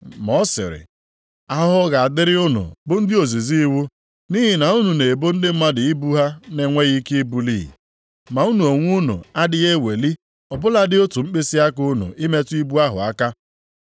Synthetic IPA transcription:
mɔ˦sɪ̰˨ɾɪ̰˨ | a˨ɦʊ˦ɦʊ˦ɣa˨a˨dɪ˦ɾɪ˦ʊ˦nʊ̰˨bʊ˦n̩˦dɪ˦o˨zi˨zi˦i˦wu˦ | ni˦ɦɪ˨na˨u˦nu˨ne˨bo˦n̩˦dɪ˦m̩˦ma˦dɪ˨i˦bu˦ɦa˦ne˨ŋʷe˦ɣi˦ke˦i˦bu˦lḭː˦˨ | ma˨u˦nu˨o˨ŋʷu˦nṵ˨a˦dɪ˦ɣe˦we˨li˦ | ɔ˨bʊ˦la˦dɪ˦o˦tu˨ŋ͡m̩˦k͡pe˦si˦a˦kʊ˦nʊ̰˨ɪ˦me˦ti˦bu˦a˦ɦʊ̰˨a˦ka˦

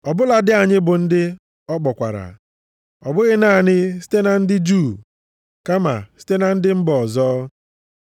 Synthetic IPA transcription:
ɔ˨bʊ˦la˨dɪ˦a˨ɲɪ˦bʊ˨n̩˦dɪ˦ | ɔ˦k͡pɔ˨kʷa̰˨ɾa̰˨ | ɔ˨bʊ˦ɣɪ˦na˦˨ɲɪ˦si̥˦te˦na˨n̩˦dɪ˦d͡ʒuː˦˨ | ka˦ma̰˨si̥˦te˦na˨n̩˦dɪ˦m̩˦bɔ˨zɔː˦

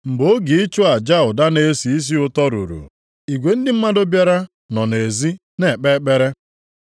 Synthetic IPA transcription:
m̩˨bo˦ɡi˨i˦t͡ʃʊ˦a˨d͡ʒa˦ʊ˨da˦ne˦si˨i˦s̬i˦ʊ˦tɔ˦ɾṵ˨ɾṵ˨ | i˨ɡʷe˨n̩˦dɪ˦m̩˦ma˦do˦bja˦ɾa˦ | nɔ˨ne˨zi˦ | ne˨k͡pe˦k͡pe˦ɾe˦

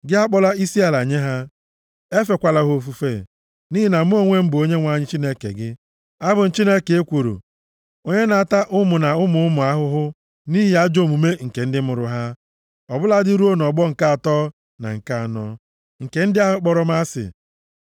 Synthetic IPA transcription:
ɡɪ˦a˦k͡pɔ˦la˦i˦si˦a˨la˨ɲe˦ɦa˦ | e˦fe˨kʷa˨la˦ɦʊ˦o˦fu˦fe˦˨ | ni˦ɦi˦na˨m˦o˦ŋʷe˦m̩˦bo˦ɲe˦ŋʷa˨ɲɪ˦t͡ʃi˦ne˦kḛ˨ɡɪ˦ | a˦bʊ˨n̩˨t͡ʃi˦ne˦ke˨e˦kʷo˨ɾo̰˨ | o˦ɲe˦na˨a˦˨ta˦ʔʊ˦mʊ˨na˨ʊ˦mʊ˨ʊ˦mʊ˨a˦ɦʊ˦ɦʊ˦ | ni˦ɦɪ˨a˦d͡ʒo˦˨mu˨me˦ŋ̩˨ke˨n̩˦dɪ˦m˦ʊ˨ɾʊ̰˨ɦa˦ | ɔ˨bʊ˦la˦dɪ˦ɾu˦o˦n˨ɔ˨ɡ͡bɔ˦ŋ̩˨ka˦a˨tɔ˦ | na̰˨ŋ̩˨ka˦˨nɔ˦ | ŋ̩˨ke˨n̩˦dɪ˦a˦ɦʊ˦k͡pɔ˦ɾɔ˦m˦a˦sɪ̰˨

